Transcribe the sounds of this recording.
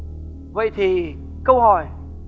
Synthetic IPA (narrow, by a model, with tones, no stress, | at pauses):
və̰˧˨jt̪ʰi˨˩ | kə˧whɔ˨˩j